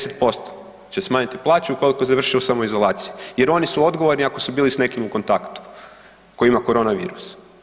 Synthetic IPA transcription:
set̪̚po̞st̪o̥ | t͡ɕesmaːɲit̪iplˠaːt͡ʃuuko̞liko̞zaʋr̩ʃiusamoizo̞lˠaːt̪sijuje̞ɾo̞nisuo̞d̪ɡo̞ʋo̞ɾniako̞subiːlisne̞kimuko̞nt̪akt̪u̥ | kojimako̞ɾo̞naʋḭːɾus

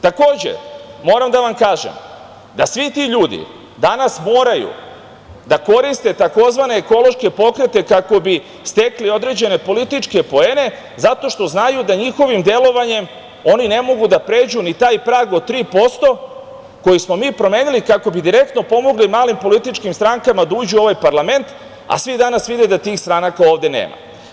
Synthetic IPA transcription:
t̪ako̞ːd͡ʑe̞̰mo̞ːɾamd̪aʋamkaːʒḛm | d̪asʋit̪iʎuːd̪ḭ | d̪anasmo̞ːɾajṵ | d̪ako̞ɾist̪e̞t̪ako̞zʋane̞ːko̞lo̞ʃke̞po̞kɾe̞t̪e̞kako̞bi | st̪e̞klio̞d̪ɾe̞d͡ʑe̞ne̞po̞lit̪it͡ʃke̞po̞e̞ːne̞ | zat̪o̞ʃt̪o̞znajud̪aɲixo̞ʋimd̪je̞lo̞ʋaɲe̞m | o̞nine̞mo̞ɡud̪apɾe̞ːd͡ʑunit̪aːjpɾaːɡot̪ɾiːpo̞st̪o̞ | ko̞jismo̞miːpɾo̞me̞ːnilikako̞bid̪iɾe̞k̚t̪no̞po̞mo̞ɡlimaːlimpo̞lit̪it͡ʃkimst̪ɾaŋkamad̪auːd͡ʑuo̞ʋajpaɾlˠame̞nt̪ | a̰sʋid̪anasʋid̪ed̪at̪iːxst̪ɾanakao̞ːʋd̪e̞nḛːma̰

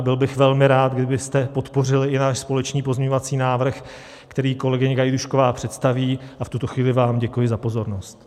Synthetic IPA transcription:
bɪlbɪxvɛlmɪɾaːt̪̚ɡdɪbɪst̪ɛpo̞t̪po̞rɪlɪɪnaːʃspo̞lɛt͡ʃniːpo̞zmɲɛɲovat͡siːnaːvr̩x | kt̪ɛɾiːko̞lɛɡɪɲɪɡajduʃko̞vaːpr̝̥ɛt̪st̪aviːaft̪ut̪o̞xviːlɪvaːmɟɛkujɪzapo̞zo̞ɾno̞st̪

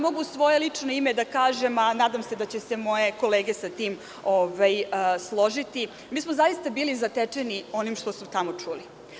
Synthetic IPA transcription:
mo̞ɡusʋo̞jelit͡ʂnoimed̪akaːʒe̞manaːd̪amse̞d̪at͡ɕese̞mo̞je̞ko̞leːɡe̞sat̪iːm | ovajslˠo̞ʒit̪i | miːsmozajist̪abiːlizat̪et͡ʂenio̞nimʂt̪o̞smot̪amo̞t͡ʂuːli

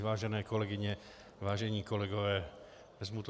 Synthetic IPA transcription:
vaːʒɛnɛːkolɛɡɪɲɛ | vaːʒɛɲiːkolɛɡɔvɛː | ɛzmut̪

